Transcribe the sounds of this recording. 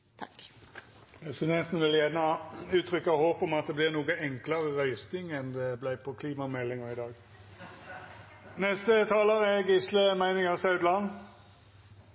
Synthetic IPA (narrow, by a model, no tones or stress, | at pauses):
pʰɾɛsɪd̪ɛnt̪n̩ʋɪljɛnəɑʉːt̪ʰʁʏkːɑhoːpɔmɑt̪̚d̪ɛblɪʁnuːɡəɛŋkləʁəʁœʏst̪ɪŋɛnd̪ɛblæɪpʰɔkʰliːmɑmɛlːɪŋəʁɪd̪ɑːɡ | nɛst̪ət̪ʰɑːləʁɛɡɪsləmæɪnɪŋəsɑʉd̪lɑn